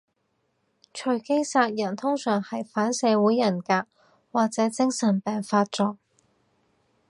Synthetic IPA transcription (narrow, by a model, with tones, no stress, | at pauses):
t͡ʃʰɵ˨˩ɥke˥jsaː˧k̚jɐ˨˩nt̪ʰʊ˥ŋsœː˨˩ŋhɐ˨jfaː˨˥nsɛː˨˧wuː˨˥jːɐ˨˩nkaː˧k̚ | waː˨k̚t͡sɛː˨˥t͡sɪ˥ŋsɐ˨˩npɛː˨ŋfaː˧t̚t͡sɔː˧k̚